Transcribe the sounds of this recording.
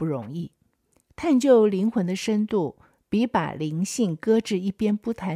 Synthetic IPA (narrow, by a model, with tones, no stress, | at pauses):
pu˥˩ɻʊ˧˥ŋi˥˩ | t̪ʰa˥˧nt͡ɕjo˥˩ʊli˧˥ŋxwə˧˥nd̪ə˧ʂə˥nt̪u˥˩ | pi˧˥pa̰˨˩li˧˥ŋɕi˥˩ŋkɤ˥ʈ͡ʂɻ̩˥˧i˥˩pjɛ˥npu˥˩t̪ʰa˧˥